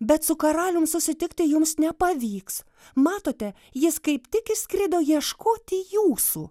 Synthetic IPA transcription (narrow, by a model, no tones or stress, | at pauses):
bʲɛt̪sʊkɐɾɑːlʲʊmsʊsʲɪt̪ʲɪkt̪ʲɪjʊmsnʲɛpɐʋʲiːks | mɑːt̪oːt̪ʲɛ | jɪskɐɪpt̪ʲɪkɪʃʲsʲkɾʲɪd̪oːjiɛʃkoːt̪ʲɪjuːsṵː